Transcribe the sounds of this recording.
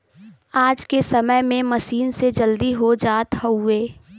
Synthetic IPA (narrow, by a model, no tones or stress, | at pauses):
aːd͡ʒkesɐməjmẽmɐʃiːnsed͡ʒəld̪iɦod͡ʒaːt̪həʊeː